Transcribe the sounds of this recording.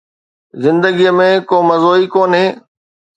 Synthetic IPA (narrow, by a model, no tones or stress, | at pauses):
zɪ̃nd̪əɡijəmẽkoːmɐzoːikoːnɦeː